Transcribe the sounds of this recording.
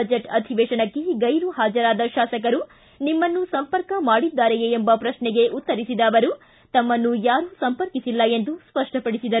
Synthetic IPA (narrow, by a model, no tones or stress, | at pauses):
ɐd͡ʒeʈɐd̪ʱiʋɛːʃɐɳɐkːeɡɐjɾuɦaːd͡ʒɐɾaːd̪ɐʃaːsɐk̬ɐɾu | nimːɐnːusɐmpɐɾkɐmaːɽid̪ːaːɾejeembɐpɾɐʃɳɛɡe̞ʔut̪ːɐɾisid̪ɐːʋɐɾu | t̪ɐmːɐnːujaːɾusɐmpɐɾkisilːɐend̪uspɐʂʈɐpɐɽisid̪ɐɾu